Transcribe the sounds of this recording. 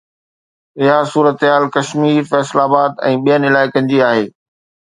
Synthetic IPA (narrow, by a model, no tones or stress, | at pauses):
ɪɦasuːɾət̪ɦaːlkɐʃmiːɾfɛːslaːbaːdt̪ɛ̃ːɓijənɪlaːɪkə̃nɪ̆d͡ʑiaːɦeː